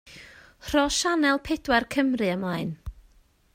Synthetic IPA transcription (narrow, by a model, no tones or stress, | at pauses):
r̥ɔʃanɛlˠpʰɛdwɛrkʰəmrɨəmaɨn